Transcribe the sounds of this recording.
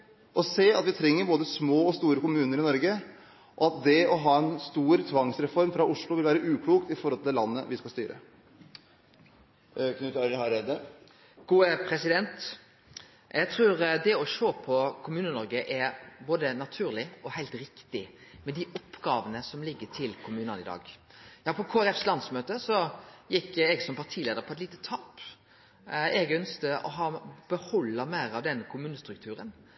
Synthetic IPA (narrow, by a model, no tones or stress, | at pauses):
ʔɔseːɑt̪ʋɪt̪ʰɾɛŋːəɾboːd̪əsmoːɔst̪uːɾəkʊmʉːnəɾɪnɔɾɡə | ʔɔɑt̪̚d̪ɛɔɦɑːɛnst̪uːɾt̪ʰʋɑŋsɾɛfɔɾmfɾɑʔʊʂlʊʋɪlʋæːɾəʔʉːkʰɽuːk̚t̪ɪfɔɾhɔlt̪lɑnːə̰ʋɪskɑlst̪y̰ːɾə̰ | knʉːt̪ɑhɑɾɛd̪ə | ɡ̥uːəpʰɾɛsɪd̪ɛnt̪ | jʔæɪt̪ʰɾʉːɾd̪ɛɔʃoːpʰɔkʰʊmʉːnənɔɾɡəʔɛɾboːd̪ənɑt̪ʰʉːɾlɪɔhæɪlt̪ɾɪkt̪ɪmɛd̪ɪʔɔpːɡɑːʋənəsɔmlɪɡːəʈʰɪlkʰʊmʉːnənɪd̪ɑ̰ːɡjɑːpʰɔkʰoːæɾɛfslɑnsmøːt̪əsɔjɪkːɛɡsɔmpʰɑʈʰiːleːd̪əɾpʰɔɛt̪liːt̪ə̥t̪ʰːɑːp | ɛɡœnst̪əʔɔ̰ɦɑːb̥əhɔlːəmæɪɾɑʋd̪ɛnːəkʰʊmʉːnəst̪ɾʉkt̪ʰʉːɾən